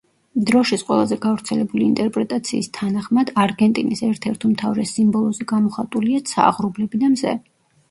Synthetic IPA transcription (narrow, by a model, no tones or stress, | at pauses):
d̪ɾɔʃit̪sqʼwɛ̰lˠazɛɡavɾt̪sʰɛlɛbuliːnt̪ʼɛɾpʼɾɛt̪ʼat̪sʰiːst̪ʰanaχmad̪aɾɡɛnt̪ʼinisɛɾt̪ʰɛɾt̪ʰumt̪ʰavɾɛsimbɔlˠɔzɛɡamɔχat̪ʼuliat̪sʰa̰ːʁɾublɛbid̪amzɛ̰